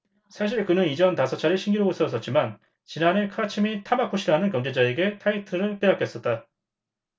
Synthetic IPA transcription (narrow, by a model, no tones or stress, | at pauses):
sʰaɕ̬ʰiɭkɯnɯnid͡ʑʌntasʰʌt͡ɕʰaɾiɕʰiŋɡiɾoɡosʰʌs͈ʌt̚t͡ɕ͈iman | t͡ɕinane̞kʰɯat͡ɕʰimitʰamakʰoɕʰiɾanɯnkjʌŋd͡ʑe̞d͡ʑaeɡe̞tʰaitʰɯɾɯɭp͈eak͈jʌs͈ʌt̚t͈a